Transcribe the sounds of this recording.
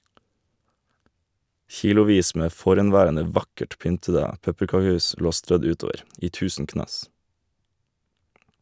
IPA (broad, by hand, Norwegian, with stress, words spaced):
ˈçiːlʊˌʋiːs ˈmeː ˈfɔɾɛnˌʋæːɾənə ˈʋɑkəʈ ˈpʏntədə ˈpɛpəkɑˌkʉːs ˈloː ˈstɾœd ˈʉːˌtoːʋəɾ ˈiː ˈtʉːsn̩ ˈknɑːs